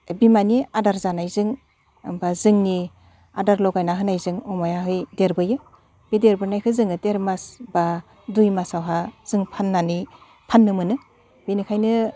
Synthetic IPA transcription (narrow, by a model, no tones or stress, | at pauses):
bimaniadaɾzanajzɯŋ | bazɯŋni | a̰daɾlɔɡajnaɦɯnajzɯŋɔmajaɦɯjdeɾbɯjɯ | b̥ideɾbɯnajkʰɯzɯŋɯdeɾmasba | dujmasawɦaz̥ɯŋpʰanːani | pʰanːɯmɯnɯ | b̥inikʰajnɯ